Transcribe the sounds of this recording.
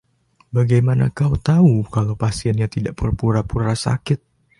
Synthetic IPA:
baɡajmana̰kaut̪aukalawpasiɛnɲat̪idaʔpərpuɾapuɾasa̰kɪt̪̚

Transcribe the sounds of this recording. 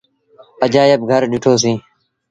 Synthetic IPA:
əd͡ʒaːjəb̚ɡʱəɾɗʊʈʰoːs̬ĩː

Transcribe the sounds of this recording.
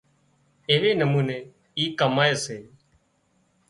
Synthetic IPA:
ɪʋeːnəmuːneː | iːkəmaːeːseː

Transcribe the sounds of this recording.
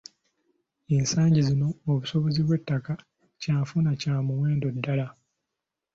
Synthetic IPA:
ensaːɲɟizino̞ːβuso̞βoziβwe̞tːaka | caːfunacaːmumwe̞ːndo̞dːala

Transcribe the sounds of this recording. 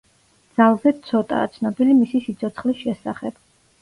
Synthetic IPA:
d̪z̥alˠzɛt̪sʰɔt̪ʼa̰t̪sʰnɔbilimisisit̪sʰɔt̪sʰχlisʃɛsaχɛb̥

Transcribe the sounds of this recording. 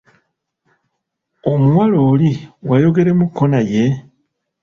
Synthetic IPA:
omuwaloːliwajo̞ɡe̞ɾe̞mukʰːo̞naje̞

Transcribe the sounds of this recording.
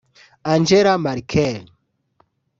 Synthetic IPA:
and͡ʒɛɾamaɾikʰɛl

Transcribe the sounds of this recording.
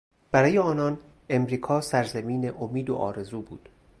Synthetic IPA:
b̥æɾɒːjeɒːnɒːn | e̞mɾiːkʰɒːsæɾzæmiːneʔomiːd̪o̰ʔɒ̰ːɾe̞zuːbṵːd̪̥

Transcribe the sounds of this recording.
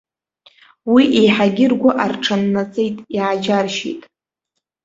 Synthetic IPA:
wiʔejħaɡʲɪrɡʷaʔarʈ͡ʂʰanːat͡sʼejtʼiad͡ʒarʃḭtʼ

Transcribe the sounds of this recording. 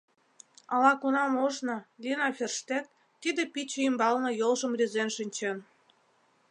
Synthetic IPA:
ɑlɑkunɑmoʒnɤ̆lʲinɑfʲerʃt̪et̪ː | id̪ĕpit͡ɕeymbɑlnɤ̆jolʒə̆mrʲizenʃinʲt͡ɕen

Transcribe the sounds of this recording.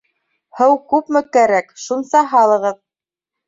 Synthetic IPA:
hɤwkʉpmɘkæɾækʃunsɑɦɑlˠɤ̆ʁɤð

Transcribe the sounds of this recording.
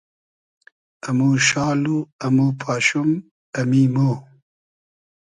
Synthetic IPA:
ɐmuːɕɑːluɐmoːpʰɑːɕum | ɐmiːmoː

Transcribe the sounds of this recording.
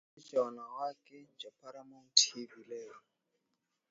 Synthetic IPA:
t͡ʃaɔnawakɛd͡ʒapʰaɾamɔŋ̩tʰebilɛːɔ

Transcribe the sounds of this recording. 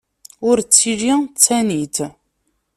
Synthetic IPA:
ʊɾt͡sːiʒit͡sːænit̪

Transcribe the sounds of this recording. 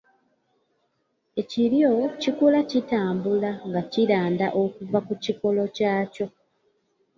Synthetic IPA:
e̞ciɾjo̞cikulacitaːmbulaŋɡaciɾaːndaʔokuvakuciko̞lo̞caːco̞

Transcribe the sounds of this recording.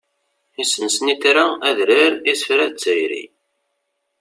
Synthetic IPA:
isənsəniθɾaæðɾəɾisfɾæt͡sːəjɾḭ

